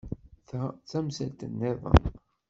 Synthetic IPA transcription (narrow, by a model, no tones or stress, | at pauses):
θt͡sæmsælt̪ənːɪðˤə̰m